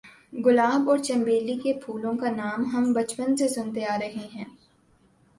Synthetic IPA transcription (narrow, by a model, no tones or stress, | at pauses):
ɡʊlaːbɔːɾt͡ʃɐ̃mbeːlikepʰuːlõkanaːmɦɐmbɐt͡ʃpənsesʊnt̪eaːɾɐɦeɦɛ̃ː